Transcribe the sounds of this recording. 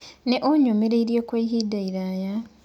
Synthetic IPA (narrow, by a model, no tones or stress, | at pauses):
neʔoɲomeɾeiɾjekweiɦidaiɾaːja